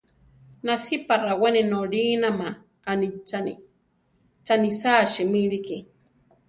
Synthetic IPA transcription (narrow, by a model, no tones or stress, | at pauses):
nasiparaweninoɾiːnamaː | nit͡ʃanḭ | t͡ʃanisaːʃimiɾiki